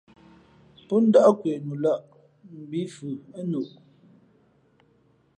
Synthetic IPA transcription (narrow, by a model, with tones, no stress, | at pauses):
pɔ˦n̩˦dɔ˦ʔkwe˨nu˨la˦˨ʔ | m̩˨bi˨˦fʉ˨ə˦nu˨ʔ